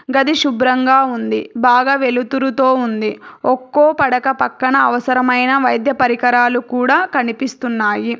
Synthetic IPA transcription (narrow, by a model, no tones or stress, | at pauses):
ɡɐd̪iʃubɾɐŋɡaːund̪ibaːɡaʋe̞lut̪uɾut̪o̞ːund̪iɔkːoːpɐɽɐkɐpɐkːɐɳɐːʋɐsɐɾɐmɐjnɐʋɐjd̪ʱjɐpɐɾikɐɾaːlukuːɽaːkɐnipist̪unːaːji